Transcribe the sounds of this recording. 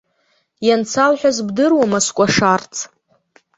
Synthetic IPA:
jant͡sʰalħʷᶣazbdɨrwamaskʷʼaʂart͡sʰʼ

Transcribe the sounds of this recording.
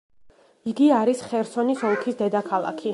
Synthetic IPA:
iɡiaɾisχɛɾsɔnisɔlˠkʰisd̪ɛd̪akʰalˠa̰kʰi

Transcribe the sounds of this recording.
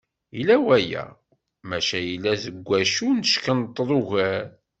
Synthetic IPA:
ilæwæjæ̰ | mæʃæjilːæθəɡʷːæʃunəʃkənt̪ˤːɾˤʊʝæɾ

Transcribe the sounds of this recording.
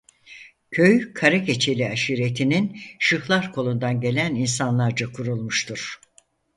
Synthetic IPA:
cʰøjkʰaɾake̞t͡ʃʰe̞lʲiaʃiɾe̞t̪ʰininʃɯxlˠaɾkʰo̞lˠund̪anɟe̞lʲæninsanlˠaɾd͡ʒakʰuɾulˠmuʃt̪ʰuɾ̥

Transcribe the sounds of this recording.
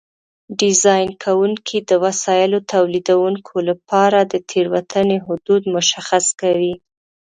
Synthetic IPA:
ɖɪzɑjnkʰawuŋkʰid̪əwasɑjɪlot̪ʰawlid̪awuŋkʰolapɑɾad̪ət̪ʰeɾwat̪aneɦʊd̪ud̪mʊʃaxaskawi

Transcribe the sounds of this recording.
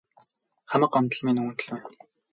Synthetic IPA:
χamə̆qam̥t̪ə̆ɮmenuunt̪ɘ̆ɮwæn

